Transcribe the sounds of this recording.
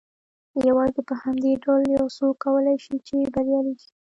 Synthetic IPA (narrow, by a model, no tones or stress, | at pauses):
jawɑzepəhamd̪eɖaljɑwsokawəlajʃit͡ʃebaɾjɑliɡi̥